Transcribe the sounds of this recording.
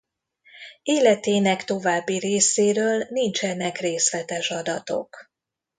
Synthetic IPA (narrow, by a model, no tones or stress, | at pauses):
eːlɛt̪eːnɛkt̪o̞vaːbːiɾeːseːɾøːlnint͡ʃɛnɛkreːsʋɛt̪ɛʃɒd̪ɒt̪o̞̰k